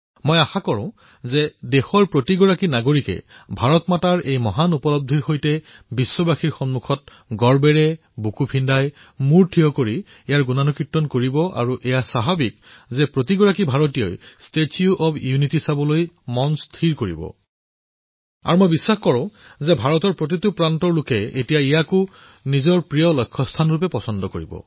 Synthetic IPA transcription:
mɔjaxakɔɹɔ̃ | zɛdexɔɹpɹotiɡɔɹakinaɡoɹikɛ̰bʱaɹɔtmataɹejmɔɦanupɔlɔb̚dʱiɹxojtɛ | bisːɔbaxiɹxɔnmukʰɔt̚ | ɡɔɹbɛɹɛ | bukupʰindaj | muɹtʰiɔkoɹi | ɛjaɹɡunanukɹitːɔnkoɹibɔʔa̰ɹuʔɛjasaɦabikzɛpɹotiɡɔɹakibʱaɹɔtijɔ̰jstetʰiuʔɔbjunitisabɔlojmɔnstʰiɹkoɹḭbɔ̰ | a̰ɹumojbisːaxkɔɹɔ̃zɛbʱaɹɔtɔɹpɹot̬itupɹantɔɹlʊkɛetijaijakʊ | nizɔɹpɹijɔlɔjkʰːɔstʰanɹup̬ɛpɔsɔndɔkoɹḭbɔ̰

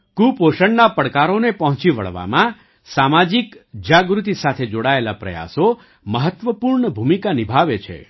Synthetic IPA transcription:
kupoʃəɳnapəɽkaɾonepəɦɔ̃t͡ʃiʋə̰ɭʋa̰mã | samad͡ʒikd͡ʒaɡɾut̪isat̪ʰed͡ʒoɽaelapɾə̰ja̰so | məɦət̪ʋəpuɾɳəbʱumikanibʱaʋet͡ʃʰḛ

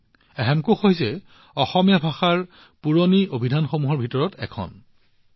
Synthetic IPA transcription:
ɛɦɛmkuxoɦjzɛ | ɔxɔmijabʱaxaɹ | puɹoniobʱidʱanxomuɦɔɹbʱitɔɹɔtɛ̰kʰɔ̰n

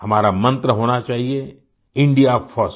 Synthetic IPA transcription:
hɐmaːɾamɐ̃nt̪ɾəɦoːñat͡ʃaːɦie | ɪ̃ɳɖijafʰɔs

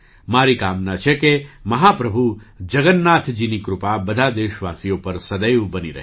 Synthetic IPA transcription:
maɾikamnat͡ʃʰekeməɦapɾəbʱud͡ʒəɡənːat̪ʰd͡ʒinikɾʊpabəd̪ʱad̪eʃʋasijopəɾsəd̪əjbəniɾə̰ɦ

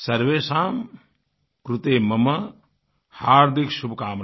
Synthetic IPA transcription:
sɐɾʋeːsaːm | kɾut̪eːmɐmɐ | haːɾd̪ʱikʃubʱkaːm

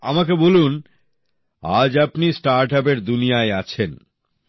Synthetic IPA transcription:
a̰makebolun | a̰d͡ʑapnisʈaɾʈap̬eɾd̪unijaeat͡ɕʰen

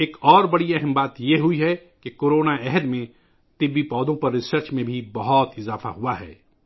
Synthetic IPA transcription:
eːkɔːɾbɐɽiɛɦəmbaːt̪jeɦʊiɦɛkekoːɾoːnaɛɦəd̪mẽ | t̪ɪbːipɔːd̪õpɐɾːɪsəɾt͡ʃmẽbʱibɐɦɔt̪ɪzaːfa̰ɦuaɦɛ̰ː

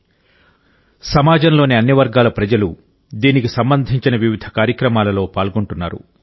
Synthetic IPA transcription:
sɐmaːd͡ʒɐmlo̞ːneɐnːiʋɐɾɡaːlɐpɾɐd͡ʒɐlu | d̪iːnikisɐmbɐnd̪ʱiɲt͡ʃinɐʋiʋid̪ʱɐkaːɾjɐkɾɐmaːlɐlo̞ːpaːlɡoɳʈunːaːɾṵ

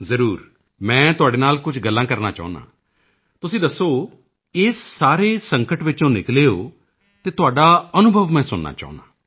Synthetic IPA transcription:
zəɾuːɾ | mɛ̃ːt̪ʊaːɖeːnaːlkʊt͡ʃʰɡəlːãːkəɾna̰ːt͡ʃa̰ːʊ̃na̰ː | t̪ʊsĩːd̪əsːoː | ɪsːaːɾeːsə̃ŋkəʈʋɪt͡ʃõːnɪkleːo̰ː | t̪eːt̪ʊaːɖaːənʊbʱəʋmɛ̃ːsʊnna̰ːt͡ʃa̰ːʊnaː

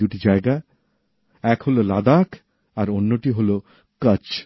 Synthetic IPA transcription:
uʈid͡ʑaeɡa | ɛkɦololad̪ak | aɾonːoʈiɦolo | kʌt͡ɕ

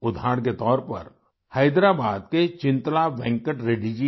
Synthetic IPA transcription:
ʊd̪ʱaːɽk̬et̪ɔːɾpɐ̰ɾ | həɪd̪ɾaːbaːd̪̚ket͡ʃɪ̃nt̪laʋɛ̃ŋkəʈɾeːɖid͡ʒi

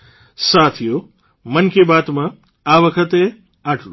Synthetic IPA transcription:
sat̪ʰijo | mənkebat̪mã | aʋəkʰət̪e | aʈlu

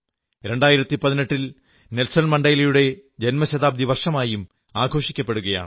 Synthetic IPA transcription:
ɾeɳɖaːjiɾɐt̪ːipɐðineʈːil | nelsɐnmɐɳɖɐjlɐjuɽe̞d͡ʑenmɐɕɐðaːb̚d̪iʋɐrʂɐmaːjum | aːɡʱo̞ːʂikʲːɐpːe̞ɽuɣɐja̰ːɳ

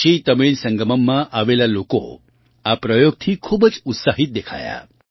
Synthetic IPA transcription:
iːt̪əmiɭsəŋɡəməmːaʔaʋelaloko̰ | apɾəjoɡ̚t̪ʰiːkʰubəd͡zut̪saɦit̪̚d̪ekʰa̰ja̰

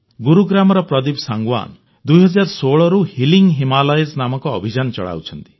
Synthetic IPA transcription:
ɡuɾuɡɾamɔɾɔpɾɔd̪ibsaŋɡwa̰n | d̪ujɦɔd͡ʒaɾsoɭɔɾuhiliŋɡɦimalɔjesnamɔkɔːbʱid͡ʒant͡ʃɔ̰ɭa̰wt͡ʃʰɔnt̪i̥

